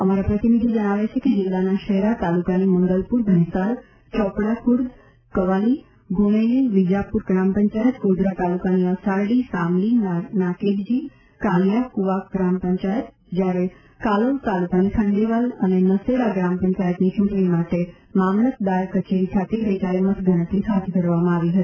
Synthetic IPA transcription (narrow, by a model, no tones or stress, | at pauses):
əmaɾapɾət̪imid̪ʱid͡ʒəɽ̃aʋet͡ʃʰekid͡ʒɪlːanaʃəɦɾat̪alukaniməŋɡəlpuɾbʱənɪsaɾ | t͡ʃɔpɽakuɾd̪ | kəʋali | ɡoɽ̃eleʋid͡ʒapuɾɡɾampəɲt͡ʃajət̪ɡod̪ɾat̪alukaniəsaɾɽisamlinakedd͡ʑi | kalijakuʋak̚ɡɾampəɲt͡ʃajət̪ | d͡ʒjaɾe | kalolt̪alukanikʰə̃ɳd̪iʋalənenəseɾaɡɾampəɲt͡ʃajət̪nit͡ʃʰʊ̃ʈɽimaʈe | mamlət̪d̪ajɾkət͡ʃeɾikʰat̪ʰeɡɾəikalemət̪ɡʱəɽ̃ət̪ikʰat̪ʰɡ̪əɾʋamãaʋiɦət̪i